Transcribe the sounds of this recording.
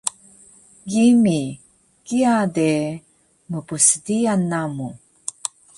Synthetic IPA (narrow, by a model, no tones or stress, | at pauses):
ɡimi | kiade | məpusədianːamu